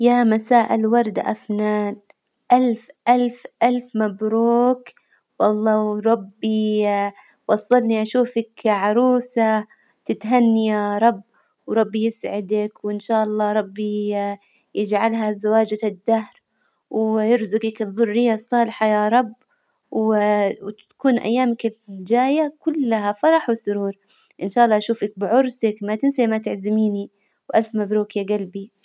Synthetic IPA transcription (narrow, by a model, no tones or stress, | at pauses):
jamasaːʔɪlwɑɾˤd̪a̰ʔafnaːn | ʔalfʔalfʔalfmabɾuːk | wʔɑlˤːɑːɾˤɑbːi | wɑsˤːɑlniʔaʃuːfakʕɑɾˤuːsa | t̪ɪt̪ɦanːijaɾˤɑbː | wɾˤɑbːjɪsʕɪd̪akwɪnʃaːʔɑlˤːɑːɾˤɑbːi | jɪd͡ʒʕalɦazawaːd͡ʒad̪ːahɾ | wjɪɾzʊɡɪkɨðˤːʊrːɪjːasˤːɑːlħajaːɾˤɑbː | wwt̪ḁkuːnʔa̰jːaːmakɪld͡ʒaːjakʊlːaɦafɑɾˤɑħwɪsʊɾuːɾˤ | ʔɪnʃaːʔɑlːɑːʔʃuːfak̚bɪʕʊɾˤsakmat̪ɪnsamat̪ɪʕzɪmiːni | wʔalfmabɾuːkjaɡalbi